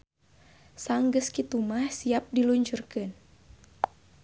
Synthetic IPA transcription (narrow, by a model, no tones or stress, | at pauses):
saŋɡəskit̪umahsiap̚diluɲt͡ʃurkɨn